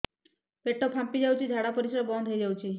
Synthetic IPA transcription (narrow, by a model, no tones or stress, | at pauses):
peʈopʰampid͡ʒawt͡ʃʰid̪ʱaɽapɔɾisɔɾɔbɔnd̪ʱɦejd͡ʒawt͡ʃʰi